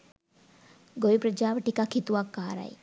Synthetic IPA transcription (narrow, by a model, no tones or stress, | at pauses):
ɡojipɾɐd͡ʒaːʋəʈikakʰit̪uʋakːaːɾa̰j